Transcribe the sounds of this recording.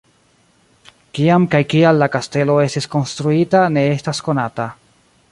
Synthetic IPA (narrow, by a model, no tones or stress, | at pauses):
kiamkajkialːakaste̞lo̞e̞stisko̞nst̪ɾuitane̞estasko̞nata